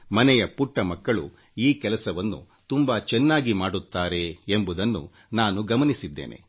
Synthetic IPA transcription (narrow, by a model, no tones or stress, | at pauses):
mɐnɛjɐpuʈːɐmɐkːɐɭu | iːkɛlɐsɐʋɐnːṵ | t̪umbɐt͡ʃɛnːaːɡimaːɽut̪ːaːɾe̞embud̪ɐnːṵ | naːnuɡɐmɐnisid̪ːḛːnʔḛ